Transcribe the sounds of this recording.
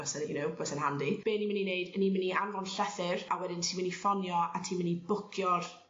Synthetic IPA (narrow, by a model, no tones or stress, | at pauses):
əsənjunowbəsənɦandib̥eːnimɪninejdənimɪniʔanvɔnɬɛθɪrawɛdɪntʰiːmɪnifɔnjɔatʰiːmɪnibʊkʰjɔr